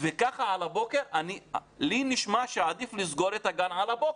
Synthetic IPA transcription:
vekaχaʕalabo̞ke̞ʁʔaniliniʃmaʃead̪iflizɡo̞ɾet̪haɡanʕalabok

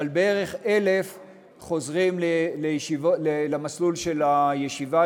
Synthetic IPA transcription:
albee̞ʁe̞χe̞le̞f | χo̞zʁimleleivlelamaslulʃe̞lajeʃiva

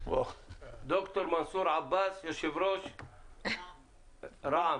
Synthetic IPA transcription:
watd̪okt̪oɾmansuːɾʕabːaːsjɪɾʃɪvɾoːʃ | ɾˤɑʕ

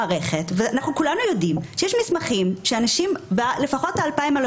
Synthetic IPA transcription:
ʁeχetveanaχnukulanujo̞dimʃejeʃmismaχimʃeanaʃimbale̞faχo̞t̚aːlpaimal

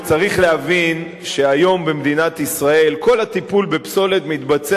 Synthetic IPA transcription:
t͡saʁiχlehavin | ʃe̞ajo̞mbemd̪inat̪isʁae̞lko̞lhat̪ipulbepso̞le̞t̪mit̪bat͡se

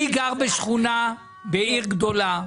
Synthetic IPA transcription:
iɡaʁbɛʃχuna | bɛiʁɡd̪ola

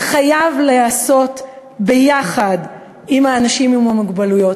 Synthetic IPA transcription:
χajavleaso̞t | bejaχad | imhaːnaʃimimamuɡbalujo̞t

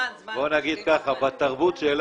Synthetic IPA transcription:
bo̞naɡid̪̚kaχabat̪aʁbut̪ʃel

